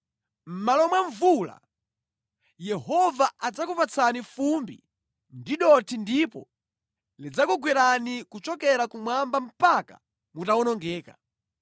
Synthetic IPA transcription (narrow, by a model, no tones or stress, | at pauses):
m̩malɔmwaɱvula̰ | jɛɦɔvaad͡zakupat͡sʰanifumbḭ | ndiɗɔtʰindipɔ̰ | lid͡zakuɡwiɾanikut͡ʃɔkɛɾakumwambam̩paka̰ | mutawɔnɔŋɡɛːka